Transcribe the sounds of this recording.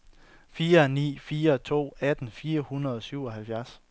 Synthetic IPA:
fiːɐnḭːfiːɐt͡sʰo̝̰ːæd̥n̩fiːɐhunɐð̞ˠɒ̽syʊ̰ɒɦælfjæɐs

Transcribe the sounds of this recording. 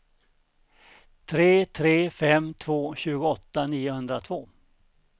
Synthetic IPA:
t̪ʰɾeːt̪ʰɾeːfɛmːt̪ʰvoːɕʉ̟ːɡʊɔt̪ːaniːʊhɵnd̪ɾat̪ʰvoː

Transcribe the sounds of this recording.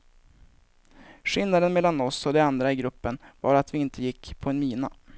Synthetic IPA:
ʂɪlnad̪ənmɛlːanɔsɔd̪ɛand̪ɾaɪɡɾɵpːənvɑ̰ːɾat̪vɪɪnt̪ʰəjɪkːpʰɔɛnmiːna

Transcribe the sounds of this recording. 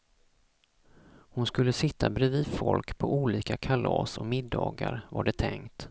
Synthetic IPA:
hʊnskɵlːəsɪt̪ʰːabɾɛviːd̪fɔlkpʰɔʔuːliːkakʰalɑːsɔmɪd̪ːɑːɡaɾvaɖɛt̪ʰɛŋt̪

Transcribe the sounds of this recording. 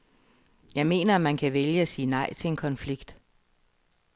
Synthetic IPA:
jɑ̈ɪme̝̰ːnɐæmænkʰæʋeljəæsiːnɑ̈ɪ̰t͡sʰe̝e̝nkʰɒ̽nfliɡ̥d̥

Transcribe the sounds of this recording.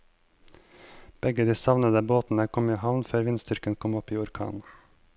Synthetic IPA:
b̥ɛɡəd̪iːsɑʋnəd̪əboːt̪n̩əkʰɔmiːhɑʋnføːɾʋɪnst̪ʏɾkənkʰɔmɔpiːʊɾkʰɑ̰ːn

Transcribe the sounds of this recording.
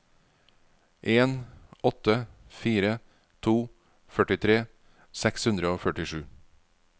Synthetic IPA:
ʔeːnʔɔt̪əfiːɾə | t̪ʰuː | fœʈɪt̪ʰɾeː | sɛkshʉnd̪ɾəoːfœʈɪʃʉː

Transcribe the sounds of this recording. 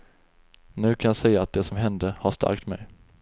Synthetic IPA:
nʉ̟ːkʰanjasɛjːaːt̪̚d̪ɛsɔmɦɛnd̪əhaʂt̪ʰa̰ɾk̚t̪mɛ̰j

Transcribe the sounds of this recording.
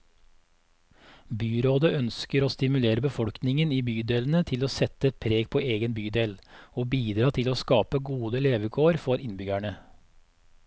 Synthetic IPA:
byːɾoːd̪əʔœnskəɾoːst̪ɪmʉleːɾəbəfɔɽknɪŋəniːbyːd̪eːln̩ət̪ʰɪloːsɛt̪əɛt̪̚pʰɾeːɡ̚pʰoːeːɡənbyːd̪eːloːbiːd̪ɾɑːt̪ʰɪloːskɑːpəɡuːd̪əleːʋəkʰoːɾfɔɾɪnbʏɡæɳə

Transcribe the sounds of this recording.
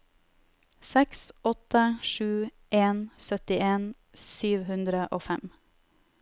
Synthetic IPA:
sɛksʔɔt̪əʃʉː | ʔeːnsœt̪ɪeːn | syːʋhʉnd̪ɾəʔoːfɛm

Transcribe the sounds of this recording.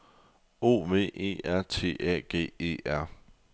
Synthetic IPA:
o̝̰ːʋe̝̰ːe̝̰ːæɐ̰t͡sʰe̝̰ːɛ̰ːɡ̥e̝̰ːe̝̰ːæɐ̰

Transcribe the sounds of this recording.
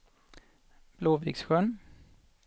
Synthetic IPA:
b̥loːvḭːɡsɧœn

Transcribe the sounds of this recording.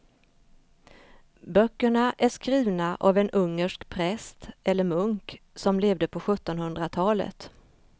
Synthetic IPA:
bœkːəɳaʔæʂkɾiːvnaʔavɛnʔɵŋːəʂkpʰɾɛst̪ɛlːəɾmɵŋk | sɔmleːvd̪əpʰɔɧɵt̪ːɔnhɵnd̪ɾat̪ʰɑːlə̰t̪

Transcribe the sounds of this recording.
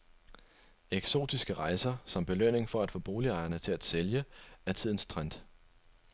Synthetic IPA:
eɡ̥so̝̰ːd̥isɡ̥əʁɑ̈ɪsɐsɒ̽mb̥e̝løn̰e̝ŋfɒ̽æd̥fɔ̰̽b̥o̝ːliɑ̈ɪɐnət͡sʰe̝læd̥seljəæɐt͡sʰið̰ˠn̩st͡sʰʁan̰d̥

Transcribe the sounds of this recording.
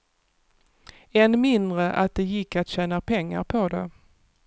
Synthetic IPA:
ɛnmɪnd̪ɾəʔat̪̚d̪ɛjɪkːat̪ɕɛːnapʰɛŋːa̰ɾpʰɔd̪ɛ

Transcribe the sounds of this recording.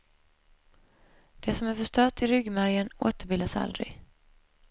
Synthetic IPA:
d̪̥ɛsɔmæɾfœʂt̪œːt̪ɪɾʏɡːmæɾjəno̰ːt̪əɾbɪld̪asa̰ld̪ɾɪ̰ɡ

